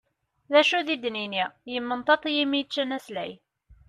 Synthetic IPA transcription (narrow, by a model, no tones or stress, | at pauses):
ðæʃuðid̪ninijəmːənt̪ˤɑt̪ˤijimijt͡ʃːənæslæj